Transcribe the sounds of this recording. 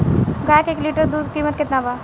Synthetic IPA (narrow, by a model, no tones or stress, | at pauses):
ɡaːkeːkliːʈəɾd̪uːd̪kiːmət̪̚kɪt̪nabaː